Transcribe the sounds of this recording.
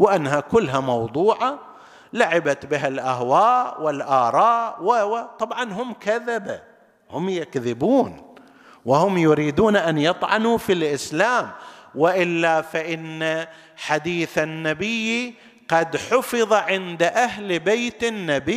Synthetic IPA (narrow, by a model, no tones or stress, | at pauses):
wɪʔanːɦakʊlːɦamɑwd̪ˤuːʕa | laʕɪbat̪bɪɦalʔahwaːʔwɪlʔɑːɾˤɑːʔwɪt̪ˤɑbʕɑnɦʊmkaðaba | hʊmjɪkðɪbuːn | wɪhʊmjʊɾiːd̪uːnʔanjɨt̪ˤʕɑ̰nufilʔɪslaːmwɪʔɪlːafaʔɪnːa | ħad̪iːθanːabɪjːi | qɑd̪ħʊfɨðˤɑʕɪnd̪aʔaɦlbajt̪ɪnːabɪ